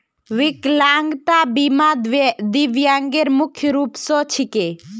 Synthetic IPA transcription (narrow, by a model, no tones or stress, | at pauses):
ʋɪklaːŋɡt̪abimad̪ʋed̪iʋjaːŋɡeɾmʊkʰjəɾuːpsɔt͡ʃʰike